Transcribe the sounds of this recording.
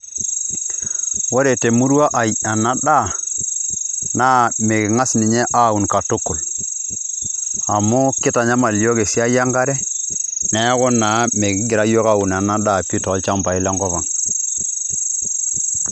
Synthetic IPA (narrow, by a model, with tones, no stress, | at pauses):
wo˦ɾe˨te˨mu˦ɾa˦ʔa˨ja˨na˦ɗa˦˨ | na˦me˨kɪ˨ŋa˦sni˨ɲɛ˦ʔa˦˨u˨nka˨tu˦kʊ˨l | a˨mu˦kɪ˦ta˨ɲa˦ma˨li˦o˦ke˨si˦a˦ja˦ŋɡa˦ɾɛ˦ | nɛ˦kɔ˦na˨˦me˨ɡɪ˦ɡɪ˨ɾa˦jo˦ka˦˨u˨na˨na˦da˦˨pi˦tɔ˨˦lt͡ʃa˦mpa˨ɪ˦la˦ŋɡɔ˦βa˨ŋ